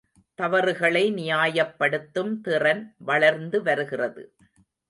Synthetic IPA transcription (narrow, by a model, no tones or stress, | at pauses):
t̪ɐʋɐɾɯɣɐɭɐɪnɪjaːjɐpːɐɽɯt̪ːɯmt̪ɪrɐnʋɐɭɐɾnd̪ɯʋɐɾɯɣɪrɐðɯ̰